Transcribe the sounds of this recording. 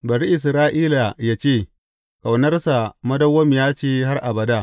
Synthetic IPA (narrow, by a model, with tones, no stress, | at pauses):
bɐ˨ɽi˦ʔɪ˨s̬ɾaː˦ʔiː˦la˨jaː˦t͡ʃeː˦˨ | ka˨wnɐ˦rsa˨mɐ˦dɐ˦wːɐ˦mjaː˦t͡ʃeː˦ɦa˦rʔa˨bɐ˨da˦˨